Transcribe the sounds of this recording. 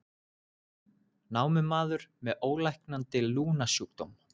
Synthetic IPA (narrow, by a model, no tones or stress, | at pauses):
naːwmɪmaːðʏɾ̥mɛðoːwlajhknant̪ɪluːnasuk̚t̪ɔm